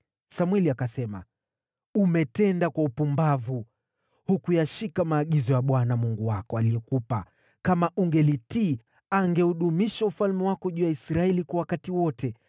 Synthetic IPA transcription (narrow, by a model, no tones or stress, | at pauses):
samwɛliakasɛma̰ | umɛtɛndakwaupumbavu | hukujaʃikamaːɠizɔjaɓwanamuŋɡuwakɔaliɛkupa | kamaʔuŋɡɛliti | aŋɡɛuɗumiʃaufalmɛwakɔʄuːjaisɾaɛlikwawakatiwɔtʰɛ